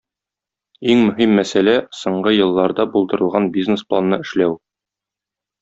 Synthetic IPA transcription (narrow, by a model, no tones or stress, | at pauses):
iŋmɵ̆ɦimːæsælæsŏɴɢɤjɤ̆lˠːɑɾd̪ɑbulˠd̪ɤ̆ɾɤ̆lˠʁɑnbʲiznesplˠanːɤɘ̆ʃlæw